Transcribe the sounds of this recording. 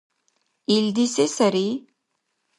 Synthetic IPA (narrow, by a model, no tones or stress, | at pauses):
ild̪isesəɾi